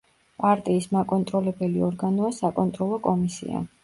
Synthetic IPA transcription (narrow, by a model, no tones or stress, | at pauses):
pʼaɾt̪ʼiːsmakʼɔnt̪ʼɾɔlɛbɛliɔɾɡanɔasakʼɔnt̪ʼɾɔlˠɔkʼɔmisḭa̰